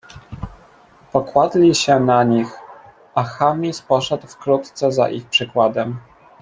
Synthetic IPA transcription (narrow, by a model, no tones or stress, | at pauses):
pɔkwad̪lʲiɕɛnaɲix | ʔaxamʲispɔʂɛd̪wfkɾut̪t̪sɛza̰ʔḭxpʂɘkwad̪ɛm